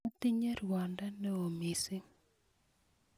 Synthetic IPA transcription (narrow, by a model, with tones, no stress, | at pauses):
a˦t̪i˦ɲe˦rwa˨nda˦nɛ˦o˨mi˨si˦